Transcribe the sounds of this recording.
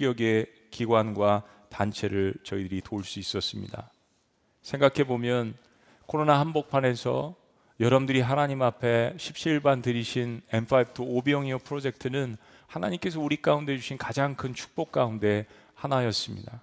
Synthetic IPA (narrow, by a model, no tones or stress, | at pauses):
k͈jʌɡe̞ | kiɡwanɡwa | tant͡ɕʰe̞ɾɯɭt͡ɕʌidɯɾitoɭs͈uis͈ʌs͈ɯmɲḭda̰ | sʰe̞ŋɡakʰe̞bomjʌn | kʰoɾonaɦanbok̚pʰane̞sʰʌ̰ | jʌɾʌmdɯɾiɦanaɲimapʰe̞ɕʰip̚ɕ͈iiɭbantɯɾiɕʰine̞mpʰaip̚tʰoobjʌŋiopʰɯɾod͡ʑe̞k̚tʰɯnɯn | hanaɲimk͈e̞sʰʌuɾik͈aunde̞d͡ʑuɕʰinkad͡ʑaŋkʰɯnt͡ɕʰu̥k̚p͈ok̚k͈aunde̞ | hanajʌs͈ɯmɲḭda